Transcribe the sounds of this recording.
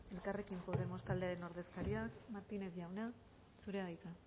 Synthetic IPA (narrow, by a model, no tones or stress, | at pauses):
e̞lkare̞kimpo̞ðe̞mo̞st̪ald̪e̞aɾe̞no̞ɾðe̞skaɾiakmaɾt̪ine̞zʝawna | suɾe̞aðjt͡s̪a